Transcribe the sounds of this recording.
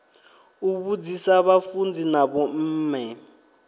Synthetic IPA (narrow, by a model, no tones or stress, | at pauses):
uβud͡zisaβafund͡zinaβɔm̩ːmɛ